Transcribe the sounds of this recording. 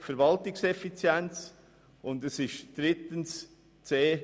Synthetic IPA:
fɛɾvɑltɪksɛfit͡sjɛnt͡s | ʊndɛsɪʃd̥ɾɪt̪əns | t͡seː

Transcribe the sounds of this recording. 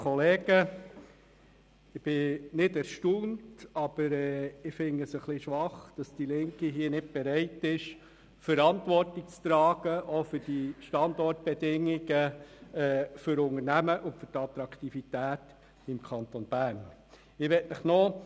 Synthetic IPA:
kʰɔleːɡ̥ə | ɪb̥ɪnɪdɛɾʃtuːntɑb̥əɾɛːɪfɪŋəsəχliʃʋɑχd̥ɑsd̥ilɪŋkiɦiːənɪt̚b̥ɛɾɛɪtɪʃ | fəɾɑntʋɔrtɪk̚t͡st̪ɾɑːɡ̥əʔofʏd̥iʃtɑndɔrt̚b̥ɛdɪŋːiɡ̥əɛːfʏɾʊŋəɾnæməʔʊntfʏɾtɑt̪ɾɑktifitæːt | ɪmkʰɑntonb̥æɾn | ɪʋɛtnəχnɔ

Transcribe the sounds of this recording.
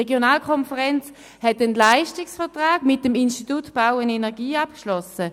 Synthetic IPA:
eɡjonaːlkʰɔnfəʁɛnt͡s | hɛtːənlaɪʃtɪksfɛɐtʁaːɡ̥mɪt̚ːəminstitutb̥awənɛnɛɐɡiːap̚kʃlɔsə

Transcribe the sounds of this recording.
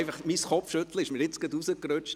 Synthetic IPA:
ɪfɑχmisχɔpfʃɵtl̩əɪʃmiːɾɪt͡sɡ̥əd̪usəkɾøt͡ʃt

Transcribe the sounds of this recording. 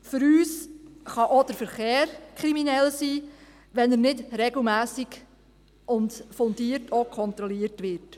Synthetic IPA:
fʏɾyːsχɑʔod̥əɾfəɾχeːɾkʰɾiminɛlsiː | ʋɛnəɾnɪdɾɛɡl̩mæːsiɡ | ʊndfondiːəɾtʰokʰɔnt̪ɾɔliːəɾtʋɪɾt

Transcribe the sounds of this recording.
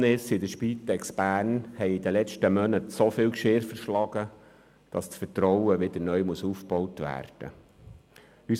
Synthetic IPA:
nɪsɪd̪əʃpiːt̪ɛksb̥æːɾnhɛɪid̪əlɛt͡ʃtəmœnətsofɪːlkʃɪːɾfəɾʃlɑɡ̥ə | d̥ɑst͡sfətɾɔwəʋɪd̪ənœʏmuəsuːfpb̥ɔwtʋæ̰ːrd̥ə̰ | ys

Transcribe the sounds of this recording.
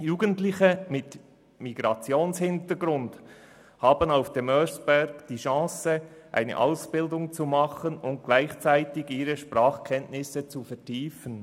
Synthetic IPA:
juːɡəntlɪçəmɪt | miɡ̥ɾɑt͡sjoːnshɪntəɡɾʊnd | hɑːbənaʊfd̥emœsb̥ɛɾɡ̥d̥iːʃɑ̃ːsəʔa̰ɪnə̰ʔaʊsb̥ɪldʊŋt͡sumɑχənʊnt̚ɡ̥laɪçt͡saɪtɪɡiːɾəʃpʁɑːχkʰɛntnɪsət͡sufɛɐtʰiːfən

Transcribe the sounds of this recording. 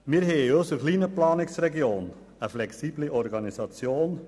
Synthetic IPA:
miːəɾɦɛəøsəχliːnəplɑːnɪksɾɛɡioːn | əflɛksiːbliʔɔɾɡɑnisɑt͡sjoːn

